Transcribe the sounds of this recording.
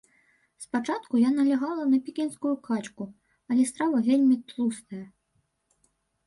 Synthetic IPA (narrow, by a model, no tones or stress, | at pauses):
spat͡ʂat̪kujanɐlʲaɣalˠɐnɐpʲikʲinskujukat͡ʃku | ɐlʲɛst̪ɾavɐvʲelʲmʲit̪lˠust̪ɐjɐ